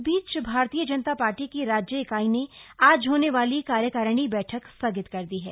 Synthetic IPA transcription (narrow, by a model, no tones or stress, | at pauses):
biːt͡ʃbʱaːɾt̪ijəd͡ʒənət̪apaːɾʈikiɾaːd͡ʒjəɪkaːineaːd͡ʒɦoːneʋaːlikaːɾjəkəɾɽ̃ibɛːʈʰəksɐɡɪt̪kɐɾd̪iɦɛ̰ː